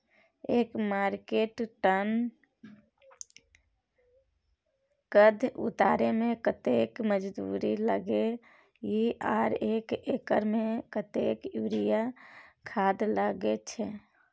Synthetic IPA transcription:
eːkmaːɾkeːʈʈən | kəd̪ʱṵt̪a̰ːɾemẽkət̪ekməd͡ʒd̪ṵɾiləɡe | jiʔaːɾeːkekəɾmẽkət̪ekuɾijakʰaːd̪ləɡet͡ʃʰɛ

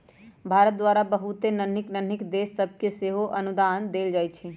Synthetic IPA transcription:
bʱaɾət̪̚d̪waɾabəɦut̪enən̤iknən̤ikd̪esːəb̚ʱkeseɦoʔənud̪and̪eld͡ʒaːjt͡ʃʰi

